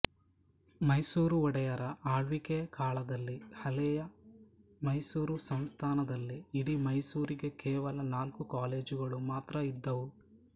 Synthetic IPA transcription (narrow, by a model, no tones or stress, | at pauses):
mɐjsuːɾuɔɽɛjɐɾɐʔaːɭʋikeɐkaːɭɐd̪ɐlːihɐlɛjɐ | mɐjsuːɾusɐmst̪ʰaːnɐd̪ɐlːiːɽimɐjsuːɾiɡe̞keːʋɐlɐnaːlkukaːle̞ːd͡ʒuɡɐɭumaːt̪ɾɐid̪ːɐʋu